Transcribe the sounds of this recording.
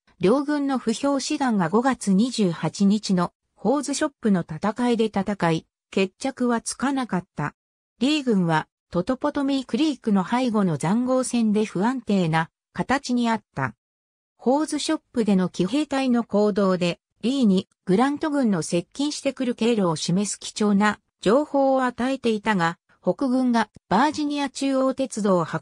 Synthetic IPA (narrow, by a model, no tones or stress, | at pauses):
ɾʲo̞ːɡɯ̟̃nːo̞ɸɯ̟ço̞ːɕiɡ̪ãŋɡaɡo̞ɡat͡sɨɲ̟iʑɨːhat͡ɕiɲ̟it͡ɕino̞ | ho̞ːzɨɕo̞pːɯ̟no̞t̪at̪akaid̪e̞t̪at̪akai | ke̞t͡ɕːakɯ̟βat͡sɨ̥kanakat̪ːa̰ | ɾʲiːɡɯ̟̃ɰ̃βa | t̪o̞t̪o̞po̞t̪o̞mʲikɯ̟ɾʲiːkɯ̟no̞haiɡo̞no̞zãŋɡo̞ːsẽ̞nd̪e̞ɸɯ̟ãnt̪e̞ːna | kat̪at͡ɕiɲ̟iat̪ːa̰ | ho̞ːzɨɕo̞pːɯ̟d̪e̞no̞kʲiɦe̞ːt̪aino̞ko̞ːd̪o̞ːd̪e̞ | ɾʲiːɲ̟i | ɡ̥ɯ̟ɾãnt̪o̞ɡɯ̟̃nːo̞se̞kʲːĩɰ̃ɕi̥t̪e̞kɯ̟ɾɯ̟ke̞ɾo̞ːɕime̞sɨ̥kʲi̥t͡ɕo̞ːna | d͡ʑo̞ːho̞ːat̪ae̞t̪e̞it̪aɡa | ho̞kɯ̟ɡɯ̟̃ŋɡab̥aːʑiɲ̟iat͡ɕɨːo̞ːt̪e̞t͡sɨd̪o̞ːha